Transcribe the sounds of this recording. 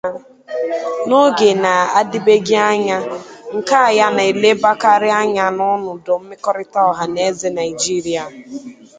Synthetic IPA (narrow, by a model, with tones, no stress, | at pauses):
no˦ɡe˨na˨a˦di˦be˦ɡi˦a˦ɲa˦ŋ̩˨ka˦a˨ja˦na˨e˨le˦ba˦ka˦ɾɪ˦a˦ɲa˦nʊ˦nʊ˨dɔ˨m̩˦mɪ˦kɔ˦ɾɪ˦ta˦ɔ˨ɦa˨ne˦ze˨na˨i˨d͡ʒi˦ɾi˦a˨